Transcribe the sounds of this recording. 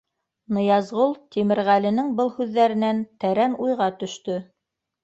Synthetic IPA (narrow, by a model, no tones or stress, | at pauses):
nɤ̆jɑzʁulˠt̪imɘ̆ɾʁælɘ̆nɘŋbɤlˠhʉðːæɾɘ̆nænt̪æɾænujʁɑt̪ɵ̆ʃt̪ɵ